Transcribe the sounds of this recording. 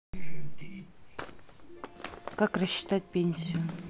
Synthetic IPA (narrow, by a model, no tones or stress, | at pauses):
kakrəɕːɪ̥t̪at̚ʲpʲenʲsʲɪjʊ